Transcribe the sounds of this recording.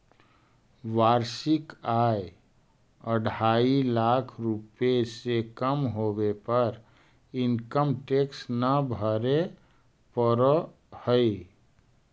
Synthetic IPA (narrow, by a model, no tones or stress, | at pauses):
ʋaːɾʃɪkaːe | əɽʱaːilaːkʰɾupesekəmɦoːwepəɾ | ɪnkəmʈeːksnəbʱəɾe | pəɾə | həi